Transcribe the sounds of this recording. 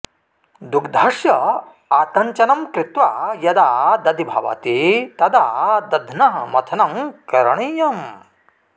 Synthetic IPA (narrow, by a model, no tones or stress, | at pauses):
d̪ukd̪ʱaːʃjɐ | aːt̪ɐɲt͡ʃɐnɐmkɾɪt̪ʋaːjɐd̪aːd̪ɐd̪ibʱɐ̰ʋa̰ːt̪it̪ɐd̪aːd̪ɐd̪ʱnɐɦɐmɐt̪ʰɐnɐmkɐɾɐɳijɐm